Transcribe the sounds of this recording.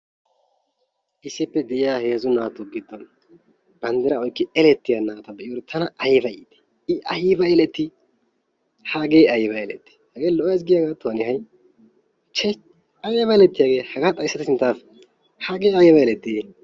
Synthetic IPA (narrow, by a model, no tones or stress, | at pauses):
ʔɪsːɪpːɛd̪ɛʔɪjaːhe̞ːzʊnaːt̪ʊɡɪd̪ːɔn | b̥ɐnd̪ɛɾɐɔjkːɪɛlɛt̪ːɪjanaːt̪ɐbɛɪɔɾɛt̪ʰɐnɐʔɐjbɐjɪt̪ɛ̥ | ɪʔɐjɪbɐɛlɛt̪ːɪ | haːɡe̞ːɐjbɐɛlɛt̪ːɪ̥hɐɡeːlɔʔɔjɐs̬ɡɪjaːɡaːt̪ːonɪɦɐj | t͡ʃɛ | ɐjbɐjlɛt̪ːɪjaːɡe̞ːhɐɡaːt̪ʼɐjɪsːɐt̪sɪnt̪ːaːf | haːɡeːɐjɛbɐɛlɛt̪ːɪ